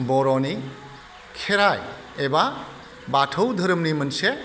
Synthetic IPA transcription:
bɔɾɔni | kʰeɾaj | eba | batʰəwd̪ʱəɾəmnimənse

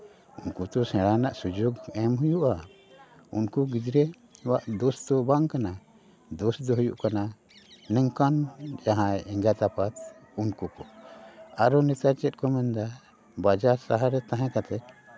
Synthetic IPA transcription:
unkut̪ɔsɛ̃ɽanaʔsud͡ʒuɡɛmɦujuʔa | ṵnkuɡid͡ʒɾɛ | waʔd̪ɔsd̪ɔbaŋkana | d̪ɔsd̪ɔɦujṵʔkana | nɛŋkand͡ʒaɦãɛŋɡat̪apat̪ | unkukɔ | aɾɔnɛt̪at͡ʃɛt̪̚kɔmɛnd̪a | bad͡ʒaɾsaɦaɾɛt̪aɦɛ̃kat̪ɛ

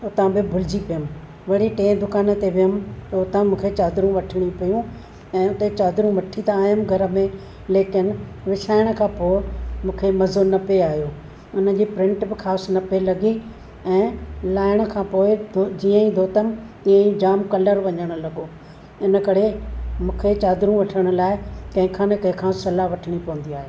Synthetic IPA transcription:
ʊt̪ãbɪbʱʊlɪd͡ʑipijəm | ʋɐɽ̤iʈẽːd̪ʊkaːnə̆t̪eʋɪjəmt̪ɐʊt̪ãmũːkʰet͡ɕaːd̪ɾũʋɐʈʰɪɽ̃ipijũ | ɛ̃ːʊt̪et͡ɕaːd̪ɾũʋɐʈʰit̪aaːjəmɡʱɐɾə̆mẽ | leːkɪnɪ̆ | ʋɪʃaːɪɽ̃̆kʰãːpoːɪmũːkʰemɐzonɐpeaːɦijoː | ʊnə̆d͡ʑiːpɾɪ̃ɳʈbɪxʰaːsnɐpelɐɡi | ɛ̃ːlaːɪɽ̃̆kʰãːpoːɪd͡ʑiːə̃ĩd̪ʱoːt̪əmt̪ĩːə̃ĩd͡ʑaːmkɐləɾʋɐɲəɽ̃ʊ̆lɐɡoː | ɪnə̆kɐɾemũːkʰet͡ɕaːd̪ɾũʋɐʈʰəɽ̃ʊ̆laːɪkɐ̃ɦɪ̃kʰãːnekɐ̃ɦɪ̃kʰãːsɐlaʋɐʈʰɪɽ̃ipɐʋə̃nd̪iaːɦeː

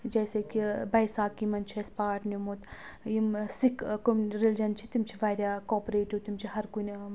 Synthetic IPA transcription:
d͡ʒɐːsekibɐjsaːkimɐnt͡ʃʰiespaːʈnumot̪ | jimsikkomɾeld͡ʒɐnt͡ʃʰit̪imt͡ʃʰiʋaːɾʲjaːkoːpɾeːʈut̪imt͡ʃʰiɦɐɾkunʲ

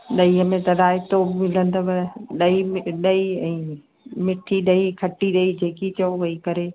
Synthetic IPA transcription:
ɗɐiːɦəmẽt̪ɐɾaːɪt̪omɪlə̃n̆d̪obɐɗɐiɗɐiɛ̃ː | mɪʈʰiɗɐikʰɐʈiɗɐid͡ʑeːkit͡ɕɐoʋɐikɐɾe

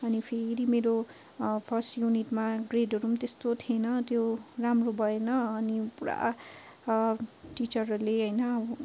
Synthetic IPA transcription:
ʌnipʰeɾimeɾo | pʰʌrsʈjuniʈmaɡreɖʌrumt̪est̪ot̪ʰienʌt̪joramrobʱʌenʌːnipuɾa̰ | ʈit͡ʃʌrleɦʌjnʌ

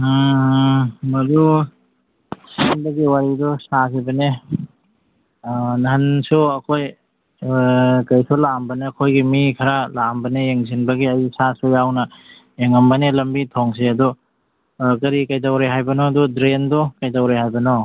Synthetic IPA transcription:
mɐdu | sinbɐɡiwaɾidɔsak̬ibɐne | nɐɦɐnsuɐkʰoj | kɐjsulambɐneɐkʰojɡimikʰɐɾalambɐnejeŋsinbɐɡiɐjsasujawnɐ | eŋɐmbɐnelɐmbitʰɔŋseɐdu | kɐɾikɐjtawɾeɦajbɐnɔdudɾendɔkɐjtawɾehajbɐnɔ

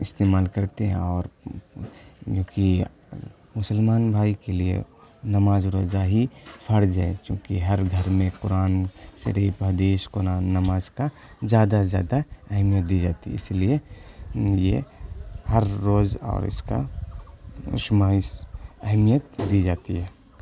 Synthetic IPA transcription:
ɪst̪eːmaːlkɐɾt̪eɦɛ̰̃ɔːɾ | jõːki | mʊsəlmaːnbʱaːikeliḛnɐmaːzɾoːzaɦipʰɐɽd͡ʒaːḛt͡ʃjõ̰ːkiɦɐɾɡʱɐɾmẽkʊɾaːnʃɐ̰ɾiːpɦɐd̪iːʃkʊɾaːnːɐmaːzka | zjaːd̪azja̰ːd̪aɛɦmijət̪̚d̪id͡ʒaːt̪ḭɪ̰slie | jḛ | hɐɾːoːzɔ̰ːɾɪ̰ska̰ | ʊ̰ʃmaːɪsɛɦmijət̪d̪id͡ʒaːt̪iɦɛː

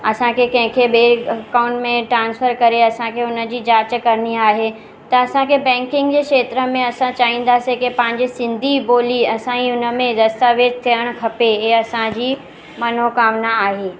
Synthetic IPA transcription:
ɐsãkʰekɐ̃ɦɪ̃kʰeɓeːkaːʊ̃ɳʈmẽʈɾãːnsfʰəɾkɐɾeɐsãkʰeʊnə̆d͡ʑiːd͡ʑaːt͡ɕəkɐɾəniaːɦe | t̪ɐɐsãkʰebɛ̃ːŋkɪ̃ŋɡd͡ʑeːkʃeːt̪ɾəmẽɐsãt͡ɕaːɦĩːn̆d̪aːsẽkepɐ̃ɦɪ̃ɲd͡ʑisɪ̃nd̪ʱiboːliɐsãiʊnə̆mẽd̪ɐst̪aːʋeːd͡ʒt̪ʰijəɽ̃kʰɐpeeɐsãd͡ʑiː | mɐn̤okaːmnaːɦeː

